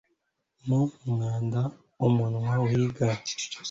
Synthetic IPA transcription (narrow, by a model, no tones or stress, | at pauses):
nuŋaːnda | omunuwawiɡa